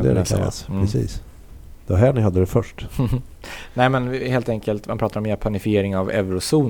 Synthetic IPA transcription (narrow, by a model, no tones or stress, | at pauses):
d̪ɛ̰a̰ɾɛkʰa̰lːa̰sɾɛsḭːs | d̪̥ɛvaɦæːɳɪɦad̪ːəd̪ɛfœʂʈ | nɛɪmɛnheːlt̪ɛŋkəlt̪manpɾɑːt̪aɾɔmjɛpʰanɪfɪjeːɾɪŋavɛ̰vɾʊsuːn